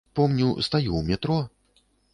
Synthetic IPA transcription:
pɔmnʲiwst̪ajuwmʲɛt̪ɾɔ

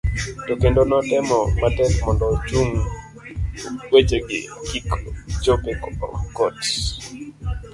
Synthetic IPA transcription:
tokendonɔtɛmɔmatɛkmɔndɔt͡ʃuŋ | wet͡ʃeɡɪ̰kikd͡ʒopekɔɔ̰kɔt

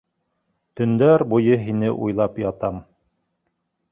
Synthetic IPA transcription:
t̪ɵ̆nd̪æɾbujɤɦinɘʔṵjlˠɑpjɑt̪ɑm

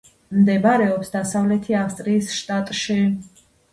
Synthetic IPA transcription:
md̪ɛbɾɛɔpsd̪asavlɛt̪ʰiafst̪ʼɾiːsʃt̪ʼat̪ʼʃi

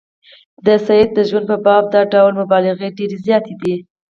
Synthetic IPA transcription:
d̪əsajed̪̚ːəʒwand̪̚pəbɑb̚d̪ɑɖawlmʊbɑlɪɣeɖeɾezjɑt̪ed̪i

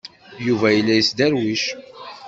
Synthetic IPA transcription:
juvæjəlːæjəsd̪æɾwiʃ

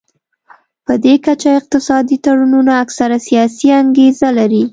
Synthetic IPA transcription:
pəd̪ekat͡ʃaɪq̚t̪ɪsɑd̪it̪aɽununaːksaɾasijɑsiaŋɡezalaɾi

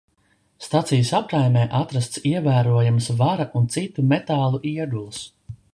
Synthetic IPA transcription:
st̪at̪sijəsapɾajmʲɛːʔat̪ɾast̪siɛvæːɾuɔjamsvaɾaʔunt̪sit̪ːumet̪aːlˠuʔiɛd̪ulˠus

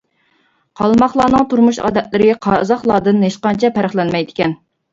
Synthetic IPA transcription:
qʰɑlˠmɑχlˠɑːnɨŋt̪ʰuɾmuʃɑ̰ːd̪ɛt̪̚lɪɾɪɡʲɛqʰɑːzɑχlˠɑːd̪ɨnɦeʃqɑnt͡ʃʰɛpʰæɾɪχlɛnmɛjd̪ɪ̥kʲɛn

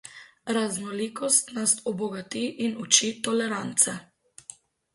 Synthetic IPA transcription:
ɾaznɔlikɔst̪nasɔbɔɡat̪iʔinut͡ʃit̪ɔlɛɾant̪sɛ

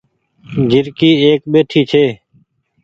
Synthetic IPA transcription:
d͡ʒʱɪɾkiːeːkɓeːʈʰiːt͡ʃʰeː

